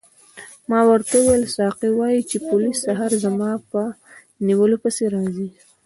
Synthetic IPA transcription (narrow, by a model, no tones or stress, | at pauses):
mɑwəɾt̪auwajlsɑqiwɑjit͡ʃepolisːaɦɑɾzamɑpə | niwəlopəseɾɑzi